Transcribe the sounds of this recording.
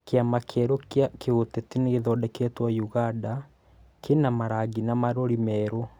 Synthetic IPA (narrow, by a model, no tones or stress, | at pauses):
keamakʰɛɾokjakeotetineːðɔdɛketwajuɣanda | kenamaɾaɡinamaɾoɾimɛɾo